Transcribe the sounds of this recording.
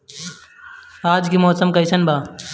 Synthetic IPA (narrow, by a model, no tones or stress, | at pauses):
aːd͡ʒkimɔːsəmkɐjsɐnbʱaː